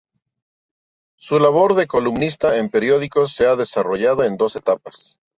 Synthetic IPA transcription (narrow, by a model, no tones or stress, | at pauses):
sulaβo̞ɾðe̞ko̞lumnist̪ae̞mpe̞ɾjo̞ð̞iko̞se̞aðe̞saro̞ʝað̞o̞e̞nd̪o̞se̞t̪apas